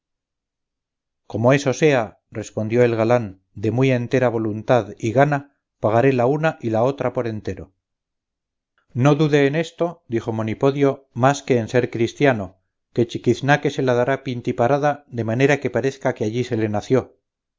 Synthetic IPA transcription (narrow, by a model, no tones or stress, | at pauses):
ko̞mo̞e̞so̞se̞a | re̞spo̞nd̪jo̞e̞lɣalan | d̪e̞mwie̞nt̪e̞ɾaβ̞o̞lunt̪aðiɣana | paɣ̞aɾe̞launaʔilao̞t̪ɾapo̞ɾe̞nt̪e̞ɾo̞ | no̞ðuðe̞ːne̞st̪o̞d̪ixo̞mo̞nipo̞ðjo̞maske̞ːnse̞ɾkɾist̪jano̞ | ke̞t͡ʃikiθnake̞se̞laðaɾapint̪ipaɾaðaðe̞mane̞ɾake̞paɾe̞θkakeaʎise̞le̞naθjo